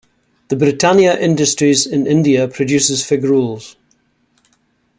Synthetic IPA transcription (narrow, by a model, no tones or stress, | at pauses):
ðəbɹɪtʰãnjəʔɪ̃ndəstɹ̥izɪ̃nɪ̃ndiəpʰɹ̥əd͡ʒʉˑsɪz̥fɪɡɹuːlˠz̥